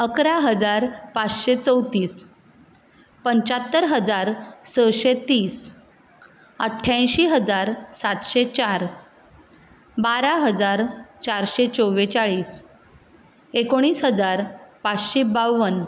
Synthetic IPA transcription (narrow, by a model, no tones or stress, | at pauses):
əkɾaɦəd͡zaɾpat͡sɕet͡səwt̪iːs | pəɲt͡ɕat̪ːəɾɦəd͡zaɾsəɕet̪iːs | əʈʰːãj̃ɕiːɦəd͡zaɾsat̪ɕet͡ɕaɾ | baɾaɦəd͡zaɾt͡ɕaɾɕet͡soʋet͡ɕaɭiːs | ekoɽ̃iːsɦəd͡zaɾpat͡sɕebawən